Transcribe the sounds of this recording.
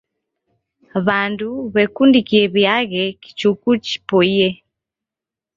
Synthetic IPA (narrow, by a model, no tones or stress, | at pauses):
βanduβɛkundikiɛβjaɣɛki̥t͡ʃukut͡ʃi̥pɔiɛ